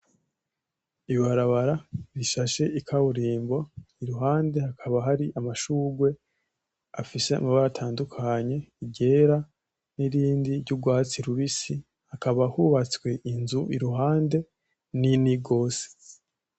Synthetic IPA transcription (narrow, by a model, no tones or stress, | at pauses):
iβaɾaβaɾaβiʃaʃe̞ikʰaβuɾiːmbo̞iɾuɦaːnde̞hakʰaβaɦaɾiʔamaʃuːɡwe̞ | afise̞a̰maβaɾatʰaːndukʰaɲe̞iɟe̞ːɾa | niɾiːndiɾɟuɡwaːt͡siɾuβisi | hakaβahuβat͡skwe̞ʔinzuiɾuɦaːnde̞ | niniɡo̞ːse̥